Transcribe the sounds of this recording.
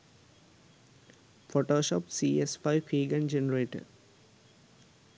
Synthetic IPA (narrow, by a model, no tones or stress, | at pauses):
foːʈoːʃɔːpsiesfaɪʋhiːɡɐ̃nd͡ʒenəɾeːʈə̰